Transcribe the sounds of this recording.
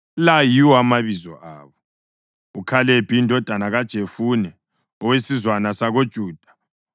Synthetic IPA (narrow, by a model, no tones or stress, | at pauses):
lajiwɔamaβizɔ̰ʔa̰ːβɔ | ukʰalɛb̥ʱiindʱɔd̥ʱanaɣad̥ʒ̥ʱefunɛ | ɔwesizwanasaɣod̥ʒ̥ʱuːd̥ʱḁ